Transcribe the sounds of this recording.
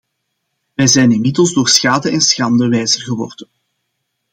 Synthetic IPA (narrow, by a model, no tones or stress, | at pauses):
ʋɛjzɛjnɪnmɪdəlˠzdoːrsxaːdəɛnsxɑndəʋɛjzərɣəʋɔrdən